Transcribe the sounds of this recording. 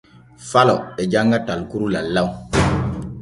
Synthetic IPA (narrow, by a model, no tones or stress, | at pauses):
falɔ̰ɛd͡ʒaŋɡatalkuɾulalau